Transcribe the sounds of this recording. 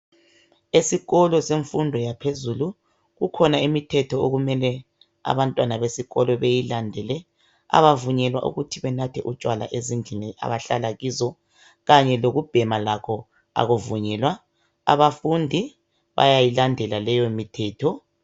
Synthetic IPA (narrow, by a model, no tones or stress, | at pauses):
esiɣɔlɔseɱfundʱɔjapʰezulu | ɣukʰɔnaimitʰɛtʰɔoɣumɛlɛ | a̰βantʼwanaβesiɣɔlɔβejilandʱɛlɛ | a̰βavuɲɛlwa̰ʔṵɣutʰiβɛnatʰɛʔut͡ʃʼwala̰ʔezind͡ɮʱiniʔa̰βaɬalaɣizɔ | ɣaɲɛloɣub̥ʱɛmalakʰɔ | a̰ɣuvuɲɛːlwa | a̰βafundʱi | βa̰jajilandʱɛlalɛjomitʰɛːtʰɔ